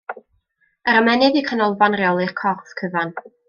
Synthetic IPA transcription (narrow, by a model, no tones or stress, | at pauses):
əɾəmɛnɨðikʰanɔlˠvanreɔlˠɪrkʰɔrθkʰəvan